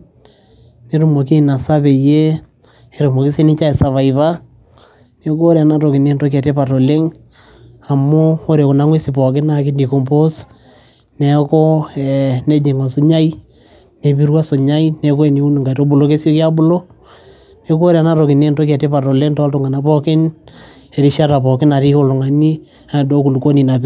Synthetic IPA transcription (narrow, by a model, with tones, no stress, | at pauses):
ne˦ɾu˨mo˨ki˦na˨sa˦pe˨je˦ | e˨ɾu˨mɔ˨ki˦se˦nɪ˦t͡ʃa˦e˨sa˨βa˨i˨βa˦ | ne˨ko˦ɾa˨na˦to˨kɪ˨ne˦nto˦k̬ɛ˨te˦pa˨to˨le˦ŋ | a˨mʊ˦o˦ɾe˨kʊ˨na˦ŋwe˦si˨pɔ˨kɪ˦na˦kɪ˦ndi˨ko˨mpo˦s | ne˨ko˦ɛ˨ne˦d͡ʒe˨ŋo˨so˦ɲa˦i˦ | ne˨bi˦ɾwa˦so˨ɲa˦i˦ne˨k̬o˦e˨ni˨u˦nɪ˨ŋɡa˨i˨to˦bʊ˨lo˦ke˦sjo˦kja˦bʊ˦lo˦ | ne˨˦ko˦ɾe˨a˨na˦ɾo˨kɪ˨ne˦˨nto˦k̬ɛ˨te˦pa˨to˨le˦ŋtɔ˦ltʊ˨ŋa˨na˦pɔ˦kɪ˦n | e˨ɾi˦ʃa˦ta˨pɔ˨kɪ˦na˨ɾi˦ho˦lʊ˨ŋa˨ni˦ | a˨do˦ku˨lu˨ko˦ni˨na˨p